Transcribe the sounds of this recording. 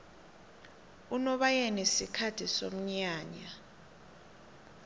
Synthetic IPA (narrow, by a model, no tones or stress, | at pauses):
unɔɓajɛnesikʰatʰiso̰m̩ɲaːɲa